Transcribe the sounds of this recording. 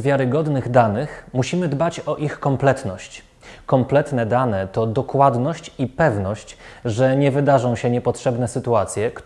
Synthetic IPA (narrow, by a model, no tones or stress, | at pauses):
vʲjaɾɘɡɔd̪nɘɣd̪anɘxmuɕimɘd̪bat͡ɕɔʔixkɔmplɛt̪nɔɕt͡ɕ | kɔmplɛt̪nɛd̪anɛt̪ɔd̪ɔkwad̪nɔɕt͡ɕipɛvnɔɕt͡ɕʐɛɲɛvɘd̪aʐɔ̃w̃ɕɛɲɛpɔtʂɛbnɛsɘt̪uat̪sʲjɛk